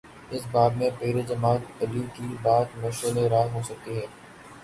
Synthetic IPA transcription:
ɪsbaːd̪mẽpeːɾed͡ʒɐmaːt̪ɐlikibaːt̪mɐʃəleɾaːɦɦoːsɐk̚t̪iɦɛː

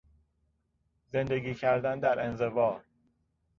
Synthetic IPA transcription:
zend̪eɡiːcʰæɾd̪ænd̪æɾe̞nzevɒːɾ

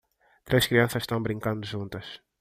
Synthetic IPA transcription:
t̪ɾeʃkɾiɐ̃sɐzʃt̪ɐ̃w̃bɾĩŋkɐ̃nd̪ʊʒũnt̪ɐʃ

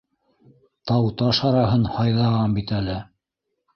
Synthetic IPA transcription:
t̪ɑwt̪ɑʃɑɾɑɦɤnhɑjðɑʁɑmbit̪ælɘ

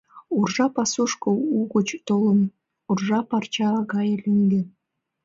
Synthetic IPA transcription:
urʒɑpɑsuʃkŏuɣut͡ɕt̪olə̆n | urʒɑpɑrt͡ɕɑɡɑjɤliŋɡɘ̆

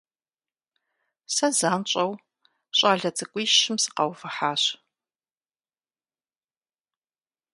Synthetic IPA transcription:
sɐzaːnt͡ʃʼɐw | ɕʼaːɮɐt͡sʼɨkʷʼiːʃɪmsɨ̥qɐwfɨħaːɕ

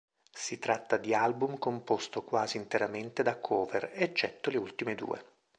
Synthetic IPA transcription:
sit̪ɾat̪ːad̪ialbumkompost̪okwaːziːnt̪eɾament̪ed̪akʰːɔːvḛret͡ʃːɛt̪ːoleult̪imed̪ṵːḛ

